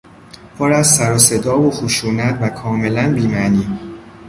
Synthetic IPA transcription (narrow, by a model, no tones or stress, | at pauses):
pʰoɾæzsæɾɒːse̞d̪ɒːvoxuʃuːnæt̪vækʰɒːme̞lænbiːmæniː